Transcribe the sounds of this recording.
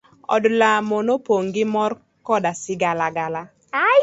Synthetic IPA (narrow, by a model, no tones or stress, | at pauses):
ɔ̰dlamonopoŋɡɪmɔr | kɔdasɪɡalaɡala